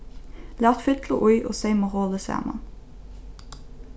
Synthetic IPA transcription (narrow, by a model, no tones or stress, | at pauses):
læːʁt̪fɪt̪ʰləʔʊʏʔo̰ːseɪmoʁoːləsæ̰ːmɑ̰n